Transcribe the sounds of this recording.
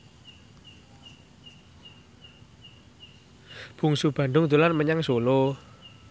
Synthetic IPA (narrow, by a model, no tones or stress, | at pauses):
b̥ṳŋsub̥ä̤ɳɖ̪ʊŋd̪ulanməɲaŋsolo